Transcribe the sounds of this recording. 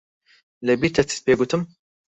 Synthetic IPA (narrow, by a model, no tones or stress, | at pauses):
lɛbiːɾt̪ʰɛt̪ʰɨ̥t̪̚peːɡut̪ɨm